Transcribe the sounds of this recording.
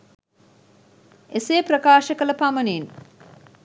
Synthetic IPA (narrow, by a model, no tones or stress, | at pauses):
eseːprɐkaːʃəkələpaməniːn